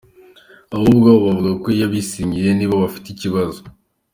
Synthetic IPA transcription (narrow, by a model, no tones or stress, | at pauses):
ahubɡaβoβavuɡakoijaβisiːɲɟiɾe̞niːβoβafi̥teiciβazo